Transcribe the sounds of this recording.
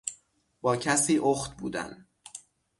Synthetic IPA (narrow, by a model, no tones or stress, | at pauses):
b̥ɒːcʰæsiːʔoːxt̪bṵːd̪æ̰n